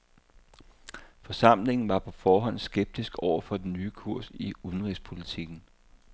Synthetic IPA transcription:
fɒ̽sɑ̈m̰le̝ŋn̩ʋɑ̈pʰɒ̽fɒːɦɒ̽n̰sɡ̥eb̥̚d̥isɡ̥ɒʊ̰ɐfɒ̽d̥e̝nyːkʰuɐ̰siuðˠn̩ʁispʰo̝lit͡sʰiɡ̥n̩

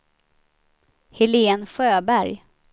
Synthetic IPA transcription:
hɪleːnɧøːbæɾj

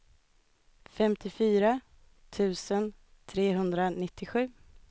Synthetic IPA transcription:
fɛmt̪ʰɪfyːɾa | t̪ʰʉ̟ːsənt̪ʰɾeːɦɵnd̪ɾanɪt̪ʰːɪɧʉ̟ː

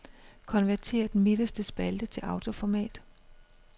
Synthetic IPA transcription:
kʰɒ̽nʋæɐt͡sʰe̝̰ːɐd̥enmid̥əsd̥əsb̥æld̥ət͡sʰe̝lʔɑ̈ʊt͡sʰo̝fɒmɛ̰ːd̥

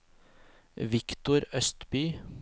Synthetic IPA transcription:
ʋɪkt̪ʊɾœst̪byː

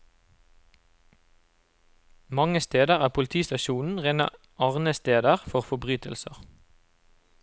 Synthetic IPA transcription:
mɑŋəst̪eːd̪əʁæːpʰʊlt̪ʰiːst̪ɑʃuːnn̩ʁenɑ̰ | ʔɑːʁnəst̪eːd̪əʁfɔʁfɔbʁyːt̪ʰəlsəʁ

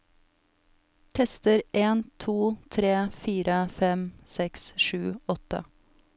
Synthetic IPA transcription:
t̪ʰɛst̪əɾʔeːnt̪ʰuːt̪ʰɾeːfiːɾʔəfɛmsɛksʃʉːɔt̪ə̰

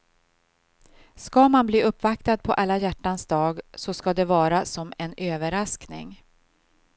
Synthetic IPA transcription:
skamanbliːʔɵpːvak̚t̪ad̪̚pʰɔʔalːajæʈːansd̪ɑːɡsɔskad̪ɛvɑːɾasɔmɛnøːvəɾasknɪ̰ŋ

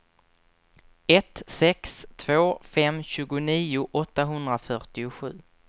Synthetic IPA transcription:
ɛt̪sɛkst̪ʰvoːfɛmɕʉ̟ːɡʊniːʊʔɔt̪ːaɦɵnd̪ɾafœʈɪʊɧʉ̟ː

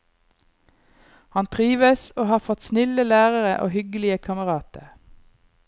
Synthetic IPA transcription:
hɑnt̪ʰʁiːʋəsoːhɑːfɔt̪snɪləlæːʁəʁəʔo̰ːhʏɡəlɪəkʰɑməʁɑːt̪əʁ

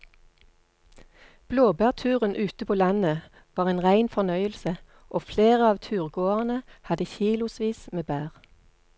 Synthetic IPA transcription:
b̥loːbæːʁt̪ʰʉːʁənʔʉːt̪əpʰoːlɑnə | ʋɑːʁeːnʁæɪnfɔnœʏəlsə | ʔoːfleːʁəɑːʋt̪ʰʉːʁɡoːʁnəhɑd̪əçiːlʊsʋiːsmeːbæːʁ

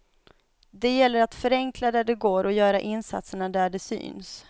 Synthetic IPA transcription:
d̪ɛjɛlːəɾat̪fœɾɛŋklad̪æɖɛɡoːɾɔjœːɾaʔɪnsa̰t̪səɳad̪æɖɛsy̰ːns

